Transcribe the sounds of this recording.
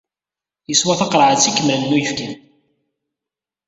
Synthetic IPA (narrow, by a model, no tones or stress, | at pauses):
jəswæθɑqɾˤʕət͡sːikːəmlənnːujəfkim